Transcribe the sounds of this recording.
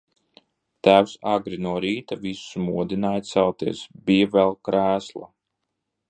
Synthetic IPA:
t̪æːwsaɡɾinuɔɾiːt̪avisu̥smuɔd̪inaːjt̪sɛlˠt̪iɛsbijavɛlˠkɾæːslˠa̰

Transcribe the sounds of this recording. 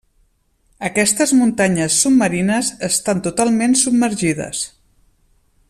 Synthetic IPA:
əkɛst̪əzmunt̪aɲəsːub̚məɾinəzəst̪ant̪ut̪alˠmensub̚məɾʒiðə̰s

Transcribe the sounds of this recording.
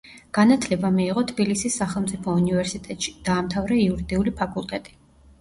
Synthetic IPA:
ɡ̥anat̪ʰlɛbamiːʁɔt̪ʰbilisisːaχɛlˠmt̪sʼipʰɔunivɛɾsit̪ʼɛt̪ʼʃi̥d̪̥aːmt̪ʰavɾɛiuɾid̪iulipʰakʼulˠt̪ʼɛt̪ʼi̥

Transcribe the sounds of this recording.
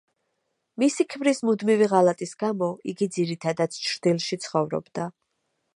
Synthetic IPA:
misikʰmɾismud̪miviʁalat̪ʼisɡamɔiɡid̪ziɾit̪ʰad̪at̪st͡ʃʰɾd̪̥ilˠʃit̪sʰχɔvɾɔ̰bd̪a

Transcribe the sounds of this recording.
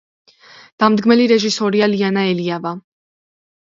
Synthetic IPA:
d̪̥amd̪ɡmɛliɾɛʒisɔɾialianaɛliava

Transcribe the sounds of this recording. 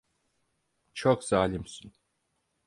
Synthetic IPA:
t͡ʃʰokzaːlʲimsyn

